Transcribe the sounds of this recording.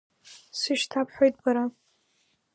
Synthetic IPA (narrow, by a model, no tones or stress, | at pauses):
sɨʃtʰapʰħʷᶣojt̚ʼbaɾa